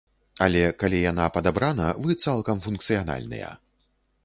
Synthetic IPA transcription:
alʲɛkalʲijanapɐd̪abɾanɐvɨt̪salˠkɐmfunk̚t̪sɨjana̰lʲnɨ̰jɐ̰

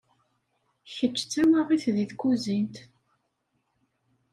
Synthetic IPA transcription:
çət͡ʃːt͡sːæwaʁiθðiðkuzint̪

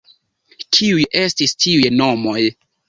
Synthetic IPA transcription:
tʰiujʔe̞stistʰiujno̞mo̞j

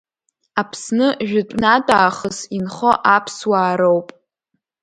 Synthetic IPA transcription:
apʰsnɨʒᶣʊtʼnatʼaːχəsinχoʔapʰswaːɾowpʼ

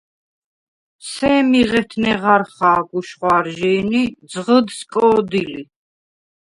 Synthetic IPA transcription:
sɛmiʁɛt̪ʰnɛʁaɾχaːɡuʃχwaɾʒɛːnid̪zʁəd̪skʼɔːd̪ili

